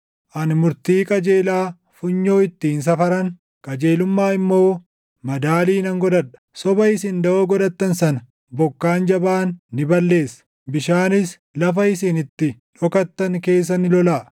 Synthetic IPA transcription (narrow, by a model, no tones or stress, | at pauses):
ʔɐnmʊɾt̪iːkʼɐd͡ʒeːlaː | fʊɲːo̞ːɪt̪ːiːns̬ɐfɐɾɐŋ | kʼɐd͡ʒe̞ːlʊmːaːɪmːo̞ː | mɐd̪aːliːnɐŋɡɔd̪ɐᶑɐ̥sɔbɐɪsɪnd̪ɐʔoːɡɔᶑ̪ɐt̪ːɐnsɐnɐ | bɔkːaːnd͡ʒɐbaːnːɪbɐlːe̞ːsɐ̥ | bɪʃaːnɪs | lɐfɐɪsɪnɪt̪ːɪ | ᶑɔkɐt̪ːɐŋke̞ːs̬ːɐnɪlɔlaː